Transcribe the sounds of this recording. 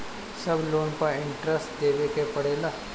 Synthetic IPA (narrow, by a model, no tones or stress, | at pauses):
sɐbloːnpəɾɪ̃ɳʈɾəsʈd̪eːʋekepɐɽeːlaː